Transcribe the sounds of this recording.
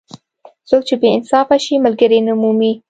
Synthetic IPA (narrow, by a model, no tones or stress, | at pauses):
sok̚t͡ʃebeɪnsɑfaʃimalɡəɾenʊmumi